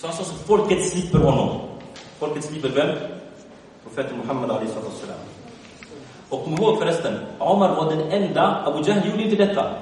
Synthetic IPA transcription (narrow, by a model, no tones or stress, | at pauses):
sɔansɔsɔmfɔlkət̪slɪpːəɾhɔnːɔmfɔlkət̪sliːpəɾvɛl | pʰɾʊfeːt̪ənmʊħamːad̪alɛjhsɑːt̪ːɔsːəla̰ːm | ɔkʰːɔmːəɾhoːɡfɔɾɛst̪ənʕʊmaɾvaɖɛnɛnd̪aabʊd͡ʒahljuːɖəɪnt̪̬əd̪ɛt̪ʰːa̰